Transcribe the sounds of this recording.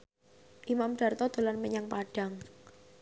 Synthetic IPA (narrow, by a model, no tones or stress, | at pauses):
ʔimamɖ̥a̤rt̪ɔd̪̥o̤lanmeɲaŋpaɖ̥a̤ŋ